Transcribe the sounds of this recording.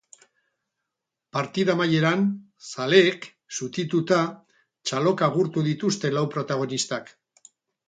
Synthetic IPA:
paɾt̪iðamaje̞ɾan | sale̞ːk | sut̪it̪ut̪a | t͡ʃalo̞kaɣuɾt̪uðit̪ust̪e̞lawpɾo̞t̪aɣ̞o̞nist̪ak

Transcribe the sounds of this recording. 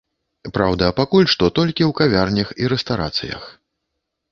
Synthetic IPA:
pɾawd̪ɐpakulʲʂt̪ɔt̪ɔlʲkʲiwkavʲarnʲɐxiɾɛst̪aɾa̰t̪sɨ̰jɐ̰x

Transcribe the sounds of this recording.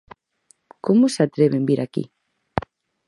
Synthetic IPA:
komʊsat̪ɾeβembiɾʔakḭ

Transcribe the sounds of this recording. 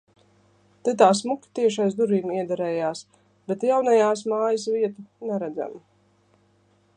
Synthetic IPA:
t̪ɛt̪aːsmukʲi̥t̪iɛʃajzd̪uɾiːmiɛd̪aɾɛːjaːs | bɛt̪jawnajaːs̬maːjəs̬viɛt̪unɛɾæd̪za̰m

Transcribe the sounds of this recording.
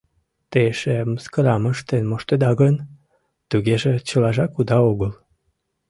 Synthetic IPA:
t̪eʃemskəɾɑməʃt̪enmoʃt̪ed̪ɑɣən | t̪uɣeʒet͡ɕəlɑʒɑkud̪ɑoɣəl

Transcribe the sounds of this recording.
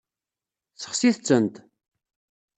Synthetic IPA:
θə̥χsiθt͡sːənt̪

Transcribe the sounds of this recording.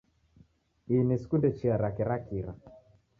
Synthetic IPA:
iniskundɛt͡ʃiaɾakɛɾakiɾa̰

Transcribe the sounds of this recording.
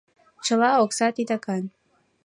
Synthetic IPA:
t͡ʃə̆lɑoksɑt̪it̪ɑkɑn

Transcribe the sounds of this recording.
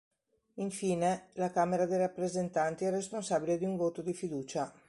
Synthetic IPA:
iɱfiːnelakameɾad̪ejrapːɾezent̪ant̪iɛresponsaːbiled̪iuɱvoːt̪od̪ifid̪uːt͡ʃa

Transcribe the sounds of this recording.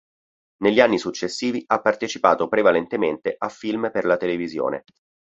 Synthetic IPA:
neʎːianːisut͡ʃːesːiːviʔapːart̪et͡ʃipa̰ːt̪opɾevalent̪ement̪eʔafːilmperlat̪elevizjo̰ːnḛ

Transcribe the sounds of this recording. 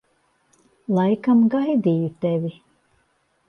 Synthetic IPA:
lˠajkamɡajd̪iːjut̪ɛvʲi

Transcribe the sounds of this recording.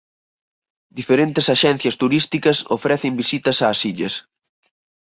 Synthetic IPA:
d̪ifeɾent̪ɪsaʃɛn̟θjɐst̪uɾist̪ikɐso̰fɾɛθɪmbisit̪ɐsaːsiʎɐs

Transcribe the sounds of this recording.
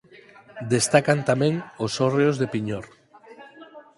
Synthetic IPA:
d̪est̪akant̪amẽŋosoreozðepiɲoɾ

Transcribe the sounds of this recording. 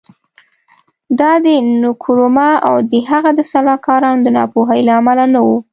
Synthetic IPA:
d̪ɑd̪ənʊkʰuɾomɑa̰wd̪əɦaɣad̪əsalɑkɑɾɑnod̪ənɑ̰poɦəjlaːmalanawu

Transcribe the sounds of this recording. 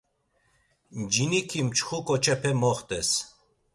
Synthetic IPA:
d͡ʒinikʰimt͡ʃʰχukʼɔt͡ʃʰɛpʰɛmɔχt̪ʼɛs

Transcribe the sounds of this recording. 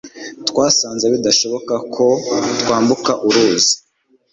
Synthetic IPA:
t̪kwaːsaːnzeβidaʃo̞βo̞kakʰo̞tkwaːmbukaʔuɾuːzi̥

